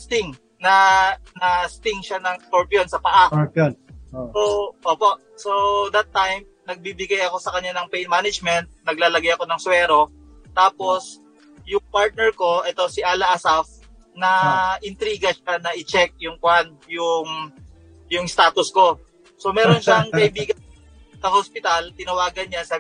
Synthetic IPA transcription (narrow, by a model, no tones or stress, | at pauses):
st̪ɪŋ | nɐnɐst̪ɪŋʃanɐŋskoɹpionsɐpɐʔap | oʔoːpo̞ʔ | sod̪ɐt̪ːajm | nɐɡ̚bibɪɡajɐko̞sɐkɐɲːanɐŋpɛjnmaːnɪd͡ʒmɛnt̪̚nɐɡlaːlɐɡajɐko̞nɐŋsʊwɛːɾo̞ | t̪aːpo̞s | jʊŋpaɹt̪̚nɛɹko̞ʔɛt̪o̞sɪʔaːlɐʔɐsaf | nɐʔɪnt̪ɾiːɡɐʃanɐʔɪt͡ʃɛk̚jʊŋkwand̪̚jʊŋ | jʊŋst̪aːt̪ʊsko̞ | so̞mɛːɾonʃaŋkɐʔɪbiːɡɐn | sɐhospɪt̪ɐlt̪ɪnɐwaːɡɐnjansɐ